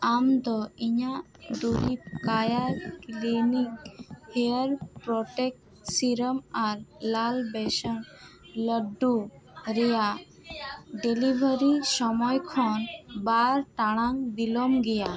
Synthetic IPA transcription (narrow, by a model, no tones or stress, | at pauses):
amd̪ɔiɲa | d̪uɾikajaɾklinikeəɾpɾɔʈek̚ʈ | siɾəmaɾlalbesəŋ | ləɖːu | ɾɛja | ɖelibʱəɾisɔmɔjkʰɔnbaɾʈaɽ̃aŋd̪ilɔmɡɛja